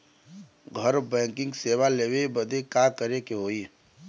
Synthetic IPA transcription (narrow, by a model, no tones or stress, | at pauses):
ɡʱəɾbɛ̃ːŋkɪ̃ŋɡseːwaleːwebəd̪ekakəɾekeɦoːiː